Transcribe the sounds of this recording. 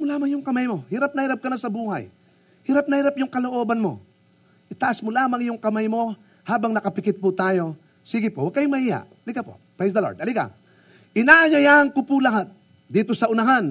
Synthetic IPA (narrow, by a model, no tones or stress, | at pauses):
molaːmɐŋjʊŋkɐmajmo̞hɪɾap̚nɐhiɾap̚kɐnasɐbuːha̰j | hɪɾap̚nɐhiɾapjʊŋkɐlo̞ʔo̞ːbɐnmo̞̰ | ʔɪt̪ɐʔasmolaːmɐŋjʊŋkɐmajmo̞ | haːbɐŋnɐkɐpɪkɪt̪̚pʊt̪aːjo̞ | siːɡɪpowɐɡ̚kɐjʊmɐhiha̰ʔɐliɡapo̰pɹajs̬d̪ɐlo̰ɹd̪ɐliɡa̰ | ʔɪnaʔɐjɐjaɐŋkʊpʊlɐɦat̪̚ | d̪iːt̪o̞sɐʔʊnɐɦan